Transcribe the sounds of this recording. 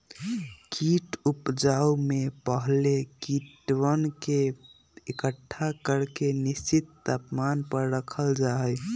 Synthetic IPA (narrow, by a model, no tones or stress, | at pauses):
kiʈupd͡ʒaumepəɦlekiʈwənke | ekəʈʰːakəɾkenist͡ʃit̪ːapmanpəɾːəkʰəld͡ʒaɦəj